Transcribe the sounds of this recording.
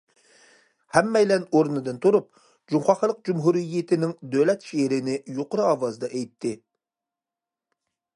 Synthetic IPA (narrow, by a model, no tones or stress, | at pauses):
hɛmːɛjlɛnoɾnɨd̪ɨnt̪ʰuɾup̚ | d͡ʒumχɑχlˠəq̚d͡ʒumɦuɾijɪt̪ʰɪnɪŋd̪ølɛt̪ʃeɾɪnɪjoqʊɾɨɑwɑzɨd̪ɑʔɛjt̪ʰːɪ